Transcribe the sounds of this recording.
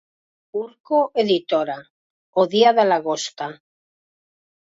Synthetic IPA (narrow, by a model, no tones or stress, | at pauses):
uɾkoʔeðit̪oɾa | oðiaðelaɣost̪a